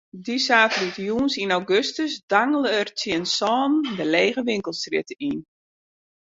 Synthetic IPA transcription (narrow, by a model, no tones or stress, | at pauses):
disaːfritjuːnsinawɡøstəsdaŋəlˠəərt͡sɪənsɔːndəleːɣəʋɪŋkəlˠstrɪtəin